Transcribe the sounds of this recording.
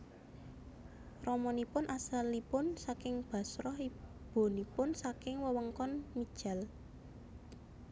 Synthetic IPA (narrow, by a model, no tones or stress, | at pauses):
rɔmɔnipʊnʔasalːipʊnsakɪŋb̥ä̤sɾɔhi | b̥o̤nipʊnsakɪŋwəwəŋkɔnmid̥ʒ̥a̤l